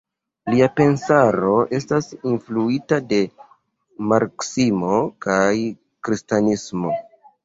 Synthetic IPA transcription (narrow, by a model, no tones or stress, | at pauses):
liape̞nsaɾo̞ʔe̞stasinfluitade̞ | maɾksimo̞kaj | kɾistanismo̞